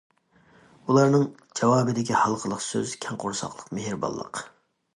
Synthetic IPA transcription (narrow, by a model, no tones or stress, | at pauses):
ulˠɑɾnɨŋd͡ʒɛwɑːbɨd̪ɪkʲihɑlˠqʰəlˠəqsøz̥kʲʰɛŋqʰʊɾsɑ̰qlˠəqmɪɦɪɾbɑ̰lˠːə̰q